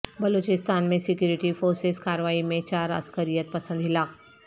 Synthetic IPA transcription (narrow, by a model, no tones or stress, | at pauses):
bɐloːt͡ʃɪst̪aːnmẽsɪkjuːɾɪʈifoːɾseskaːɾʋaːimẽt͡ʃaːɾɐ̰skəɾijət̪̚pɐsə̃nd̪ʱɦɪlaːk